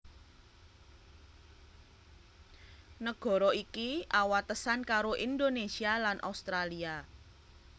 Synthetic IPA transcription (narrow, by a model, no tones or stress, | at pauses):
nəɡ̥ɔ̤ɾɔikiawat̪əsankaɾoʔind̪onesialanʔa̰ust̪ɾalia